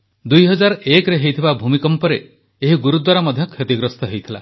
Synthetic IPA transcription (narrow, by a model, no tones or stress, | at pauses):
d̪ujɦɔd͡ʒaɾɔekɾeɦejt̪ʰibabʱumikɔmpɔɾeː | ɦiɡuɾud̪waɾɔmɔd̪ʱjɔkʰjet̪iɡɾɔst̪ɔɦejt̪ʰila̰